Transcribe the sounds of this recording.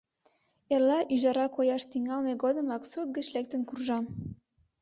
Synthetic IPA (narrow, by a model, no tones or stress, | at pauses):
erlɑʔyʒɑɾɑkojɑʃt̪iŋɑlmeɡod̪ə̆mɑksup̚ɡə̆t͡ɕlek̚t̪ə̆nkurʒɑm